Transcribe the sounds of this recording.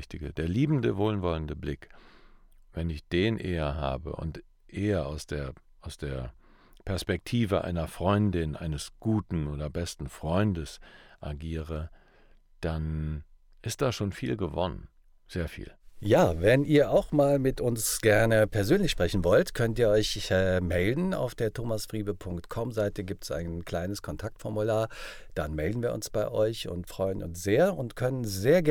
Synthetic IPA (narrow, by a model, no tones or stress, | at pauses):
çtɪɡə̰d̥eːɐliːbn̩dəvoːlənvɔləndəblɪk | vɛnɪçd̥eːnʔḛːɐɦa̰ːbə̰ʔʊ̰nt | ʔeːɐʔaʊsd̥eːɐ | ʔaʊsd̥eːɐ | pʰɛɐspɛk̚tʰiːvəʔa̰ɪnɐfʁ̥ɔʏndɪnʔa̰ɪnəsɡ̥uːtn̩oːdɐbɛstn̩fʁ̥ɔʏndəsʔaɡiːʁə | d̥an | ʔɪst̚d̥aːʃoːnfiːlɡəvɔ̰nə̰n | z̥eːɐfḭːljaːvɛnʔiːɐʔaʊxmaːlmɪtʔʊnsɡ̥ɛɐnəpʰɛɐzøːnlɪçʃpʁ̥ɛçn̩vɔltkʰœntiːɐɔʏçɛːmɛldn̩a̰ʊfd̥eːɐtʰoːmasfʁ̥iːbəpʰʊŋktkʰɔmzaɪtəɡiːp̚tsa̰ɪnkl̥aɪnəskʰɔntʰak̚tfɔɐmulaːɐd̥anmɛldn̩viːɐʔʊ̰nsb̥aɪʔɔʏçʊ̰ntfʁ̥ɔʏənʊ̰nsz̥eːɐʊntkʰœnənzeːɐɡ